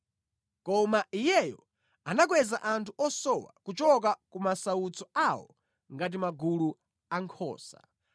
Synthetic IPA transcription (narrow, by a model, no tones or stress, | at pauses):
kɔmaijɛjɔ | anak̬wɛzaʔantʰuʔɔsɔwa̰kut͡ʃɔk̬akumasaut͡sɔawɔ̰ | ŋɡat̬imaɡulu | aŋkʰɔ̰ːsa̰